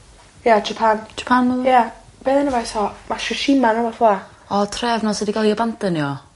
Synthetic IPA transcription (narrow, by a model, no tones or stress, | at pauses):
jad͡ʒapʰand͡ʒḁpʰanməja | b̥eðənəvajsɔmaʃʊʃimanɔwaθɔa | ɔtʰrɛvnɔsədiɡalˠiəbantəniɔ